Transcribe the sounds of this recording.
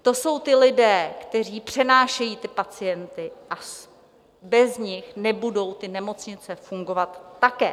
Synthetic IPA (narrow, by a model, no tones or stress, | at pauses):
t̪o̞so̞wt̪ɪlɪdɛːkt̪ɛr̝iːpr̝̥ɛnaːʃɛjiːt̪ɪpat͡sɪjɛnt̪ɪʔas | bɛzɲɪxnɛbudo̞wt̪ɪnɛmo̞t͡sɲɪt͡sɛfuŋɡo̞vat̪ːakɛː